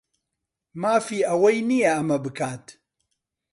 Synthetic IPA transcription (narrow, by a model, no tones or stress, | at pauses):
maːfiːʔɐwɐjnijɛɐmɐbɨkʰaːt̪